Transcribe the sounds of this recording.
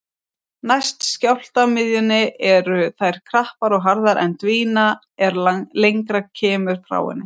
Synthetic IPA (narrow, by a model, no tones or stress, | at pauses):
najst̪scawl̥t̪amɪðjʏnːɪʔɛɾʏθajɾ̥kʰɾahpaɾɔɣɦaɾðaɾʔɛ̰nt̪viːna | ɛɾlejŋkɾacʰɛːmʏɾ̥fɾa̰ːwɪ̰nːɪ